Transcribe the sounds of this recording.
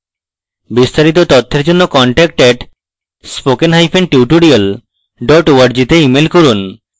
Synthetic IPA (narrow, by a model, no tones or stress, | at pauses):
bist̪aɾit̪̬ot̪ot̪ʰːeɾd͡ʑonːokɔɳʈɛk̚ʈɛʈ | spokenɦajpʰenʈiwʈoɾiol | ɖɔʈoaɾd͡ʑit̪eimelkoɾun